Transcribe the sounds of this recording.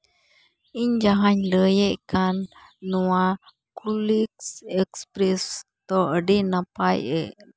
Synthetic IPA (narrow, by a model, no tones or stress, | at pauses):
iɲd͡ʒaɦãɲləjeʔkanː | ũa | kuliksekspɾest̪oʔɖinãpajḛ